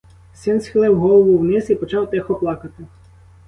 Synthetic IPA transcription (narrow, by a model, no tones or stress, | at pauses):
sɪnsxɪlˠɪwɦɔlˠɔʋʊwnɪsipɔt͡ʃɑwt̪ɛxɔplˠɑkɐt̪ɪ